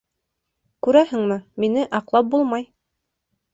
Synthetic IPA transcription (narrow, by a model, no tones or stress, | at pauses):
kʉɾæhɘ̆ŋmɘminɘʔɑqlˠɑp̚bulˠmɑj